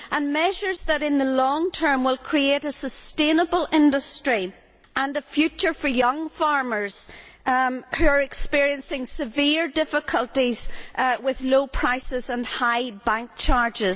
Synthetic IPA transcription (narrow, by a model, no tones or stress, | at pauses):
ʔə̃nmɛʒə˞zðəɾɪ̃nðəlɔ̃ŋtʰɜ̃˞mwɪlˠkʰɹ̥ieɾəsəstẽnəbəlˠɪ̃ndəstɹ̥i | ə̃nəfjʉt͡ʃə˞fə˞jʌ̃ŋfaɹmə˞z̥ | hʉə˞ɪkspɪɹiə̃nsɪ̃ŋsɪvɪɹdɪfɪkʰəlˠtiz̥wɪðlopʰɹ̥aɪsɪzə̃nhaɪbãŋk̚t͡ʃʰaɹd͡ʒɪz